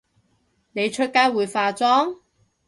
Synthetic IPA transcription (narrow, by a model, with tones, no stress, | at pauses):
ne˨˧jt͡ʃʰɵ˥t̚kaː˥jwuː˨˧jfaː˧t͡sɔː˥ŋ